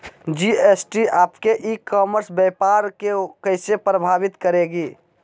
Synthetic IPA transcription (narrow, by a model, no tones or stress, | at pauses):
d͡ʒiesʈiaːpkeʔikɔːməɾsbjɛpaɾkekəɪsepɾəbʱaːʋɪt̪kəɾeɡiː